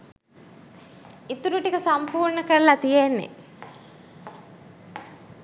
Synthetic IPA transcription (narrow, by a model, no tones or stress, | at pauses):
it̪uɾuʈikəsampuːɾɳəkəɾlat̪ijenːḛ